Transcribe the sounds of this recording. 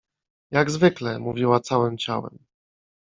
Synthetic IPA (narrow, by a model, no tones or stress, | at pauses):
jaɡzvɘklɛmuvʲiwat̪sawɘmt͡ɕa̰wɛ̰m